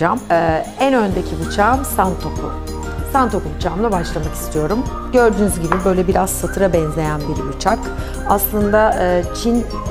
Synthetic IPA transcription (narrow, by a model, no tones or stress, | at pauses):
amːænø̞nd̪ecʰibut͡ʃʰamsant̪ʰokʰṵ | sant̪ʰo̞kubut͡ʃʰaːmlˠabaʃlˠamaki̥st̪ʰijo̞ɾum | ɟø̞ɾd̪yːnyzɟibibø̞jlʲɛbiɾaz̥sat̪ʰɯɾabɛnze̞jænbiɾbut͡ʃʰak | aslˠɯnd̪aɯːt͡ʃʰin